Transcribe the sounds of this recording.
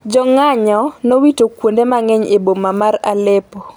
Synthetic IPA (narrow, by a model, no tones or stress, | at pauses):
d͡ʒɔŋaɲɔnowitokwondemaŋɛɲebomamaɾalepo